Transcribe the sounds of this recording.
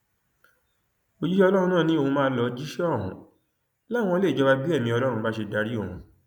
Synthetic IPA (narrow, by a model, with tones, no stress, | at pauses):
o˧d͡ʒi˦ʃɛ˦ɔ˧lɔ˦ɾ̃ũ˧nã˦˨nĩ˦o˦˨hũ˧mãː˧˦lɔ˧˦d͡ʒi˦ʃɛ˦ɔ˦˨ɦṵ̃˨ | la˦˨w̃ɔ̃˧˦le˦˨d͡ʒɔ˧ba˧bi˦ɛ˦˨mĩ˧ɔ˧lɔ˦ɾ̃ũ˧ba˦ʃe˧da˧ɾi˦o˦˨hũ˨˧